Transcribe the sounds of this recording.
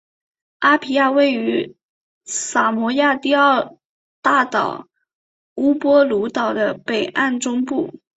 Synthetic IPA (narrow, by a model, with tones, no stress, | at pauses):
a˥pʰi˧˥ja˥˧we˥˩ɪy˧˥ | sa˨˩mwɔ˧˥ja˥˧t̪i˥˧ə˥˧ | t̪a˥˩t̪ɑ̰˨˩ʊ | u˥pwɔ˥lu˧˥t̪ɑ˨˩ʊd̪ə˦pe˨˩ɪʔa˥˩nʈ͡ʂʊ˥ŋpu˥˩